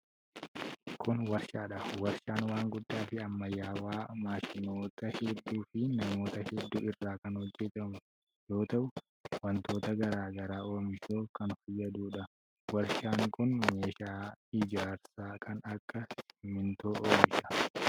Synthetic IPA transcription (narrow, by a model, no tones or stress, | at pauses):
kʰʊnwɐɾʃaːᶑɐwɐɾʃaːnwaːŋɡʊd̪ːaːfɪɐmːɐjːaːwaːmaːʃɪno̞ːt̪ɐhɛd̪ːuːfɪnɐmo̞ːt̪ɐhɛd̪ːuːɪrːaːkɐnhɔd͡ʒːɛt̪ɐmʊ | jo̞ːt̪ɐʔʊ | wɐnt̪o̞ːt̪ɐɡɐɾaːɡɐɾaːo̞ːmɪʃoːfkɐnfɐjːɐd̪uːᶑɐ | wɐɾʃaːŋkʊnme̞ːʃaːɪd͡ʒaːɾsaːkʰɐnɐkːɐsmɪnt̪o̞ːʔoːmɪʃɐ̥